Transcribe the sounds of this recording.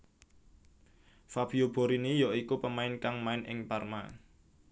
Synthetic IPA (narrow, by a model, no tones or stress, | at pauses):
fab̥iob̥o̤ɾinijɔikupəmaɪnkaŋmaɪnʔɪ̰ŋparma̰